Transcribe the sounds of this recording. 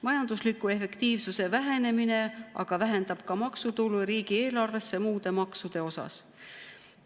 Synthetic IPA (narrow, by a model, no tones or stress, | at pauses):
mɑjɑnd̪̥uslikːˑue̞fe̞kt̪iːvsuse̞væɦe̞ne̞mine̞ʔɑ̰ɡ̥ɑvæɦe̞nd̪̥ɑb̥kɑmɑksut̪uluɾiːɡ̥ie̞ːlɑrve̞sːe̞muːd̪e̞mɑksud̪̥e̞o̞sɑ̰s